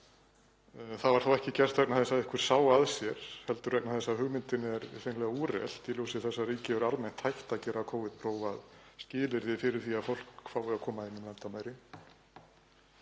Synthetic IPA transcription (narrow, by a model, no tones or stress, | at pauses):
θaðvaɾ̥θawɛhcɪcɛr̥t̪vɛk̚naθɛsaðɪhkvɪɾ̥saːwaðsjɛɾ̥hɛlt̪ʏɾrɛknaθɛsːaðhʏɣmɪnt̪ɪnɛɾθenlɛɣauɾɛ̰l̥t̪iluːsɪθɛsːariːcɪvɛɾalmɛjn̥t̪hajht̪acɛːɾakʰoːwvɪðt̪pʰɾoːwvaðscɪːlɪɾðɪfɪɾɪɾ̥θiaðfowl̥kfaːwvɪakʰɔːmaðɪnːɪmlɛnt̪amaːjɾɪ